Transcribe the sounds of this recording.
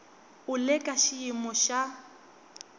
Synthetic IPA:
ʊlɛkʼaʃiimɔʃa

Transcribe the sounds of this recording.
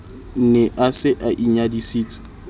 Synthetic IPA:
n̩nɛʔasɪʔaʔiɲadisiːt͡sʼi̥

